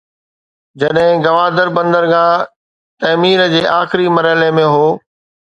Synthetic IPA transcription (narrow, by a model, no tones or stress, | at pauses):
d͡ʑɐɗɦɪ̃ɡɐʋaːd̪əɾbɐ̃nd̪əɾɡãː | t̪ɐmiːɾd͡ʑeːʔaːxɪɾimɐɾəɦlemẽɦoː